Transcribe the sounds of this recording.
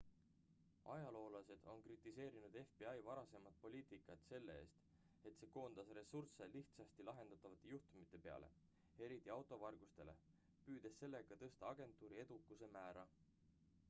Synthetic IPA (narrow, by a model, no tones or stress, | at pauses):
ɑjɑlo̞ːlɑse̞d̪̥o̞nkrit̪ːˑise̞ːɾinud̪̥e̞fb̥eɑjvɑɾɑse̞mɑd̪̥̚po̞lʲiːt̪ikːˑɑt̪se̞lːe̞e̞̰ːst̪ | e̞t̪se̞ːko̞ːnd̪̥ɑsre̞surse̞liht̪sɑst̪ilɑɦe̞nd̪̥ɑt̪ˑːɑvɑt̪ːˑe̞juht̪umit̪ːˑe̞pe̞ɑ̰le̞̰ | e̞ɾit̪ːˑiɑwt̪ˑo̞vɑrɡ̥ust̪e̞̰le̞̰ | pyːd̪̥e̞sːe̞lːe̞ɡ̥ɑt̪ɤ̞st̪ɑɑɡ̥e̞nt̪ːˑuːɾie̞d̪̥ukːˑuse̞mæːɾɑ